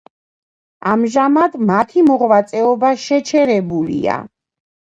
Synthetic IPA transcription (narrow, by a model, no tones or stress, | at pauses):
amʒamad̪mat̪ʰimɔʁvat̪sʼɛɔbaʃɛt͡ʃʰɛɾɛbulḭa̰